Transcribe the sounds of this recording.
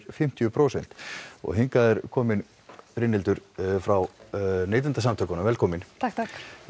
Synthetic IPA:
ɾfɪm̥t̪jʏpʰɾoːwsɛn̥t̪ɔ̰ɣɦɪŋkaðɛɾkʰɔːmɪn | fɾɪnːɪlt̪ʏɾfɾawneːjt̪ʏnt̪asamt̪ʰœːkanamvɛːlkʰɔːmɪnt̪ʰakt̪ʰak

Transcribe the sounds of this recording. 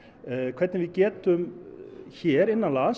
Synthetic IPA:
kʰvɛɾt̪nvɪðcɛːt̪ʏm | çɛːɾɪnːanlas

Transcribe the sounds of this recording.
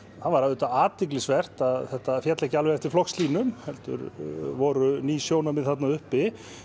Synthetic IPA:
θanvaɾaðːt̪aaːt̪iklɪsvɛr̥t̪aðθɛht̪afjɛt̪lɛhcɪalvɛɾɛft̪ɪɾ̥flɔxsliːnʏmhɛlt̪ʏ̰ɾvɔɾʏniːsjoːwnamɪðθat̪̬naʏhpɪ

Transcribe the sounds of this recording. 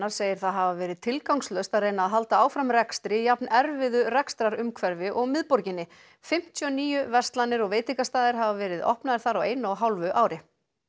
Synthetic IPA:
aɾ̥seːjɪɾ̥θaðɦavavɛːɾɪðt̪ʰɪlkawŋslœɥst̪aðreːjnaːðɦal̪t̪aaːwfɾamrɛkst̪ɾɪjapnɛɾvɪðʏrɛkst̪ɾaɾʏmkʰvɛɾvɪʔɔɣmɪðpɔɾcɪnːɪ | fɪm̥t̪ʰjʏɔniːjʏvɛst̪lanːɪɾɔɣveːjt̪ɪŋkast̪aːðɪɾ̥ɦavavɛːɾɪðɔ̰hpnaðɪɾ̥θaɾawejnʏaɦawlvʏʔaːwɾɪ

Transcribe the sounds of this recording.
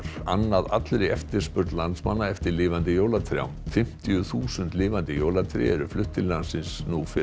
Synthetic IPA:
ɾa̰nːaða̰t̪lɾɛɛft̪ɪɾ̥spʏɾt̪lant̪smanːaɛft̪ɪɾlɪːvant̪ɪjoːwlat̪ʰɾja̰wmfɪm̥t̪ijʏθuːsʏnt̪lɪːvant̪ɪjoːwlat̪ʰɾɪ̰ɛɾʏflʏht̪ɪllansɪnsnufɪ

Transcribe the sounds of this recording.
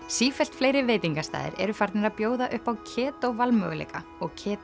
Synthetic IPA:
siːfɛl̥t̪flejɾɪveːjt̪iŋkast̪a̰ːðɪ̰ɾɛ̰ɾʏfaɾt̪nɪɾaðpjoːwðaʔʏhpawcʰɛːt̪owvalmœ̰ɣlḛːka | ɔɣcʰɛːt̪

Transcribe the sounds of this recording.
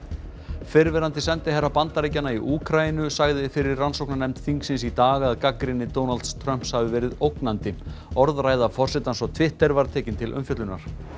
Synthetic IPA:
fɪɾvɛɾant̪ɪsɛnt̪ɪɦɛrːapant̪aɾejcanaiʔuːkʰɾaɪnʏsaɣðɪfɪɾɪrransowknanɛmt̪θiŋksɪnsit̪aːɣaaðkakɾɪnːɪt̪ownalt̪st̪ʰɾœm̥pshavɪvɛːɾɪðowknant̪ɪɔɾðɾaːjðafɔr̥sɛt̪ansɔt̪ʰvɪht̪ɛɾvaɾ̥t̪ʰɛːcɪnt̪ʰɪlʔʏ̰mfjœt̪lʏnaɾ̥

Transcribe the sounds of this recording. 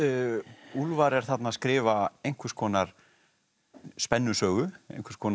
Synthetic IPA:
ulvaɾɛɾ̥θat̪naskɾɪːvaejŋ̥kʰʏskʰɔːnaɾ̥ | spɛnːʏsœːɣʏḛjŋkvɛɾ̥skʰɔːn

